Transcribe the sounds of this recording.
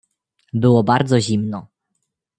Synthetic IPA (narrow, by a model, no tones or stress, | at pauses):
bɘwɔbaɾd̪zɔʑimnɔ